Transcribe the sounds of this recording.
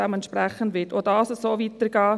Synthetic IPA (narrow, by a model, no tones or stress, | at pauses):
ɛmɛntʃpɾɛχəndʋɪtodɑːsəssoːvit̪əɾɡ̥ɑː